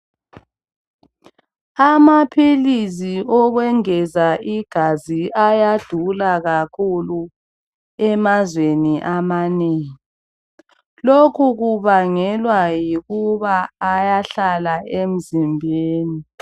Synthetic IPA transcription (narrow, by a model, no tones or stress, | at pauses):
amapʰilisiʔɔɣwɛŋɛzaʔiɡ̥ʱaziajad̥ʱulaɣakʰulu | ɛmazweniʔamaneːŋi | lokʰuɣuβaŋɛlwajiɣuβaːjaɬalaem̩zimbʱeːni